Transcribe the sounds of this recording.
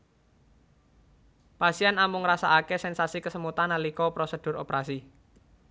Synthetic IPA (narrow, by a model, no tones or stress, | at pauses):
pasianamʊŋrasaʔakesɛnsasikəsəmut̪analikɔpɾosəd̥ʊro̰pɾasi